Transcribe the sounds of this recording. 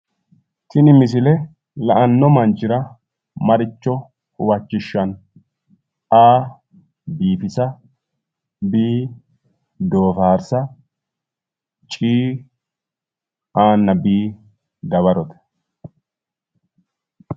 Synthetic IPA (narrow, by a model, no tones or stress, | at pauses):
tɪnɪmɪs̬ɪlɛ | lɐʔɐnːɔmɐnt͡ʃɪɾɐ | mɐɾɪt͡ʃːɔ | hʊwɐt͡ʃːɪʃːɐn | aː | biːfɪsɐ | biː | d̪o̞ːfaːɾsɐ | t͡ʃʼiː | aːnːɐbiː | d̪ɐβɐɾɔt̪ɛ̥